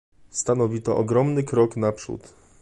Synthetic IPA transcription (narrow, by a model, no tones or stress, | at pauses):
st̪anɔvʲit̪ɔʔɔɡɾɔmnɘkɾɔknapʂṵt̪